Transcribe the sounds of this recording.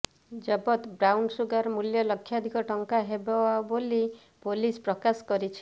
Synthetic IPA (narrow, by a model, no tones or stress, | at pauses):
d͡ʒɔbɔt̪bɾawɳɖsuɡaɾmuljɔlɔkʰːjad̪ʱikɔʈɔŋkaɦebɔwaboli | polispɾɔkasɔ̥kɔɾit͡ʃʰi̥